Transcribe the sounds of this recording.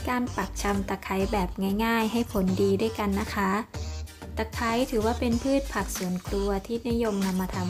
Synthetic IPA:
kaː˧npa˨˩k̚t͡ɕʰa˧mt̪a˨˩kʰːa˩˦jbɛː˨˩p̚ŋaː˥˩jŋaː˥˩jɦa˥˩jpʰo˩˦ndiː˧du˥˩əjka˧nːa˦˥kʰa˦˥ | t̪a˨˩kʰːa˨˦˥jt̪ʰɯː˩˦waː˥˩pe˧npʰɯː˥˩t̪̚pʰa˨˩k̚su˨˩˦ənkʰlu˧ɐt̪ʰiː˥˩ni˦˥jo˧mna˧mːaː˧t̪ʰa˧m

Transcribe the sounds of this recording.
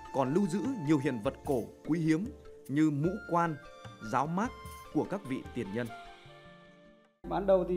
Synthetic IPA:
kɔ˨˩nlɨ˧wzɨ̰˧˥ɲi˨˩əwɦḭ˧˨ənvə˨˩t̚ko˧˩ki˨˦ɦi˨˦əmɲɨ˧mṵ˧˥kwaː˧nzaː˨˦wmaː˦˥t̚ku˧˩əkaː˦˥k̚vḭ˧˨t̪i˨˩ənɲə˧n | ɓaː˨˦nɗə˨˩wt̪i˨

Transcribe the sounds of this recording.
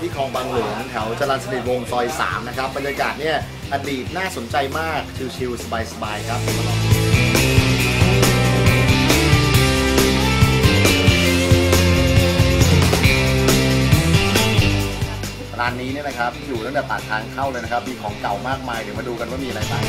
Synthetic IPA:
p̪ʰiː˥˩kʰɔː˧ŋbaː˧ŋlu˩˦ŋt̪ʰɛ˩˦wt͡ɕa˧laː˧n̚sa˧di˨˩t̪̚wo˧ŋsɔː˧jsa̰ː˩˦mna˦˥kʰa˦˥p̚bːa˧njaː˧kaː˨˩t̪̚ni˥˩ɐ | ʔa˧diː˨˩t̪̚naː˥˩so˩˦nt͡ɕa˧jmaː˥˩k̚kʰɯː˧t͡ɕʰi˧wsa˧baː˧jsa˧baː˧jkʰɾa˦˥p̚tʰo˨˩˦t̪a˧lɔː˨˩˧ | ɾaː˧nːiː˦˥ni˥˩ɐna˦kʰa˦˥p̚juː˨˩t̪a˥˩d̪ɛ˨˩p̪aː˨˩t̪ʰːaː˧ŋk̪ʰa˥˩wlɤː˧jna˦˥kʰa˦˥p̚miː˧˩kʰɔː˩˦ŋka˨˩wmaː˥˩k̚maː˧jt̪ʰɯ˩˦ma˧nduː˧ka˧nmaː˥˩miː˧ʔa˧ɾa˧jbaː˥˩

